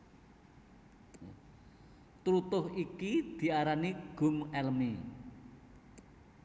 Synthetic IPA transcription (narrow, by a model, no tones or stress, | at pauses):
t̪ɾut̪ʊhikid̪̥i̤aɾaniɡ̥ʊ̤mɛlmi